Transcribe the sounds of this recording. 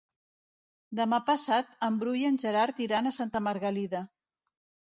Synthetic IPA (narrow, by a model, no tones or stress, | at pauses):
d̪əmapəsat̪əmbɾujənʲʒəɾaɾt̪iɾanasant̪əməɾɣaliðə